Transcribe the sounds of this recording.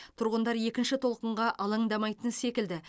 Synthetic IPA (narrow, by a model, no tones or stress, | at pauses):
t̪ʰʊɾʁənd̪ɑɾje̞kʲɪnʃɪt̪ʰo̞lˠqəɴʁɑʔɑlˠəɴd̪ɑmɑjt̪ənse̞kʲɪld̪ɪ